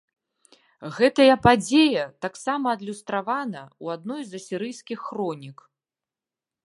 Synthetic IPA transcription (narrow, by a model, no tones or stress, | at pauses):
ɣɛt̪ɐjɐpad͡zʲejɐt̪aksamɐːd̪lʲust̪ɾavanɐuad̪nɔjzɐsʲiɾɨjskʲixːrɔnʲik